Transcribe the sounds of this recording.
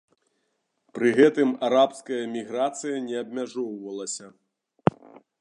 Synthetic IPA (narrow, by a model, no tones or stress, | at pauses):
pɾɨɣɛt̪ɨmaɾapskɐjɐmʲiɣɾat̪sɨjɐnʲɛɐbmʲaʐɔwvɐlˠɐsʲɐ